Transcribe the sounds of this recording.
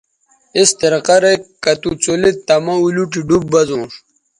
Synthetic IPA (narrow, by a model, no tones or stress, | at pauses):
ist̪eɾqɐɾekɐt̪ut͡solit̪ɐmɐuluʈiɖub̚bɐzũːʂ